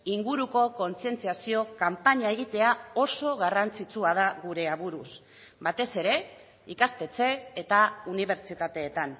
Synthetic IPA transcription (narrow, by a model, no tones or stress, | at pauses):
iŋɡuɾuko̞ko̞nt͡sie̞nt͡siasio̞kampaɲae̞ɣ̞it̪e̞ao̞so̞ɣarant͡sit͡suað̞aɣuɾe̞aβuɾus | bat̪e̞se̞ɾe̞ | ikast̪e̞t͡se̞ːt̪auniβ̞e̞ɾt͡ʃit̪at̪e̞ːt̪an